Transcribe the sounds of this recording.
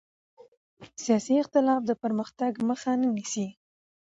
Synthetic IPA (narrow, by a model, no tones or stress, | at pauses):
sijɑsiɪqt̪ɪlɑfd̪əpəɾməxt̪aɡməxanənisi